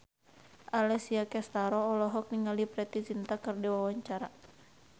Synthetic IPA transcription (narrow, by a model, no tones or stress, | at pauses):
ʔalɛsiakɛst̪aɾɔːlɔɦɔk̚niŋalipɾɛt̪it͡ʃint̪akərdɛwawaɲt͡ʃaɾa